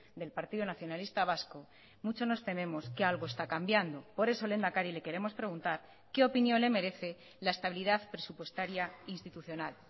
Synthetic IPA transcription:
d̪e̞lpaɾt̪iðunaθjo̞nalist̪aβ̞asko̞ | mut͡ʃo̞zno̞st̪e̞mẽ̞mo̞skealɣ̞oe̞st̪akambjand̪o̞po̞ɾe̞so̞le̞nd̪akaɾile̞ke̞ɾe̞mo̞spɾe̞ɣ̞unt̪aɾ | ke̞o̞pinjo̞nle̞me̞ɾe̞θe̞ | lae̞st̪aβ̞iliðaðpɾe̞supwe̞st̪aɾjainst̪it̪uθjo̞nal

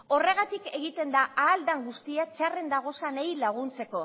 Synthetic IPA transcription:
o̞re̞ɣ̞at̪ike̞ɣit̪e̞nd̪aʔaːld̪aŋɡust̪iat͡ʃare̞nd̪aɣ̞o̞sanajlaɣ̞unt͡se̞ko̞

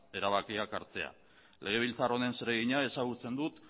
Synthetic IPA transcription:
e̞ɾaβ̞akiakaɾt͡se̞a̰ | le̞ɣ̞e̞β̞ilt͡saro̞ne̞nseɾe̞ɣiɲae̞saɣ̞ut͡se̞nd̪ut̪

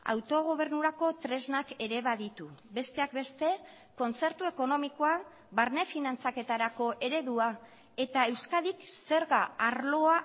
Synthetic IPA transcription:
a̰wt̪o̞ɣ̞o̞β̞e̞ɾnuɾako̞t̪ɾe̞znake̞ɾe̞βaðit̪ube̞st̪e̞ak̚be̞st̪e̞ | ko̞nt͡se̞ɾt̪ue̞ko̞no̞mikoa | baɾne̞finant͡sake̞t̪aɾako̞ʔe̞ɾe̞ðua | e̞t̪ae̞wskaðikse̞ɾɣaaɾlo̞a

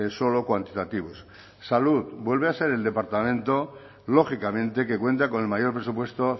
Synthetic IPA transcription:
so̞lo̞kwant̪it̪at̪iβ̞us | salut̪bwe̞lβe̞ase̞ɾe̞ld̪e̞paɾt̪amẽ̞nt̪o̞ | lo̞xikamẽ̞nt̪e̞ke̞kwe̞nt̪ako̞nelmajo̞ɾpɾe̞supwe̞st̪o

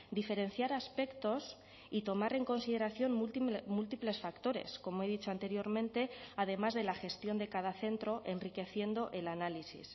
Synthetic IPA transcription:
d̪ife̞ɾe̞n̟θjaɾaspe̞kt̪o̞s | it̪o̞maɾe̞ŋko̞nsiðe̞ɾaθjo̞nmult̪iple̞sfakt̪o̞ɾe̞̰sko̞moe̞ðit͡ʃo̞ant̪e̞ɾjo̞ɾmẽnt̪e̞aðe̞mazðe̞laxe̞st̪jo̞nd̪e̞kað̞aθe̞nt̪ɾo̞ʔe̞nrike̞θje̞nd̪o̞ʔe̞lanalisḭs

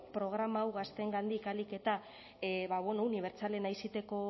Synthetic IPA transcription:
pɾo̞ɣ̞ɾamaːwɣast̪e̞ŋɡand̪ikalike̞t̪a | βaβenouniβ̞e̞ɾt͡sale̞najsit̪e̞ko̞

